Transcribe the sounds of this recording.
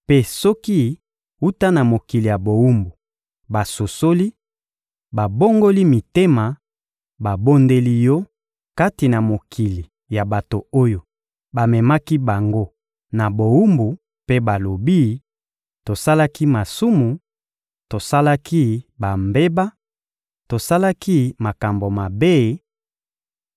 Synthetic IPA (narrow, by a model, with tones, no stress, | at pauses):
pe˦sɔ˦ki˦ | u˦ta˦na˨mo˨ki˨li˨ja˨bo˨wu˦mbu˨ | ba˨so˨so˦li˦ | ba˨bo˦ŋɡo˦li˦mi˨te˦ma˨ | ba˨bo˦nde˦li˦jɔ˦ | ka˦ti˨na˨mo˨kʰi˨li˨ | ja˨ba˨to˨o˦jo˨ | ba˨mɛ˨ma˦ki˦ba˨ŋɡo˦ | na˨bo˨wu˦mbu˨ | pe˦ba˨lo˨bi˦ | to˨sa˦la˦ki˦ma˨su˦mu˨ | to˨sa˦la˦ki˦ba˨mbe˦ba˦ | to˨sa˦la˦ki˦ma˨ka˨mbo˨ma˨be˦˨